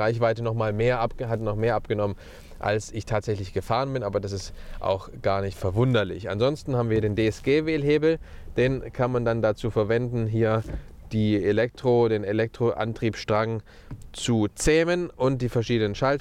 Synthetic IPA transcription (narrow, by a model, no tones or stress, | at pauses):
ʁaɪçv̥aɪtənɔχmaːlmeːɐʔapəɦatnɔχmeːɐʔapɡ̥ənɔmən | ʔa̰lsɪçtʰaːtz̥ɛçlɪçɡ̥əfaːʁənbɪnʔaːbɐdas̬ɪstʔa̰ʊx | ɡ̥aːɐnɪçtfɛɐvʊndɐlɪ̰çʔa̰nzɔnstn̩haːbm̩viːiɐdeːndeːɛsɡ̥eːveːlheːbl̩ | d̥eːnkʰanmandandat͡suːfɛɐvɛndn̩ɦiːɐd̥iːelɛk̚tʁ̥odeːnelɛk̚tʁ̥oʔa̰ntʁ̥iːpʃtʁ̥aŋ | t͡sut͡sɛːmənʔʊnt̚d̥iːfɛɐʃiːdənənʃal